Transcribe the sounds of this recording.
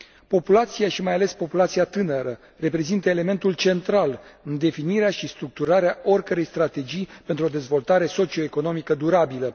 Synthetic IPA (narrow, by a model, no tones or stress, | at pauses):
po̞pulat̪siaʃimajale̞spo̞pulat̪siat̪ɨnəɾə | re̞pɾe̞zint̪əele̞me̞nt̪ult͡ʃe̞nt̪ɾalɨnd̪e̞finiɾeaʃist̪ɾuk̚t̪uɾaɾeaʔo̞rʲkəɾe̞jst̪ɾat̪e̞d͡ʒijpe̞nt̪ɾuo̞d̪e̞zvo̞lt̪aɾe̞so̞t͡ʃio̞eko̞no̞mikəd̪uɾabilə